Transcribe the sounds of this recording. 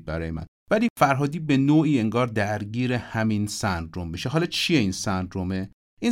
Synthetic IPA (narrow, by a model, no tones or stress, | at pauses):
bæɾɒːjemæ̰n | væliːfæɾɦɒːd̪iːbe̞noːiːe̞ŋɡɒːɾd̪æɾɡiːɾe̞hæminsænd̪ɾomːiʃeɦɒːlɒt͡ʃʰijeiːnsænd̪ɾome | iːn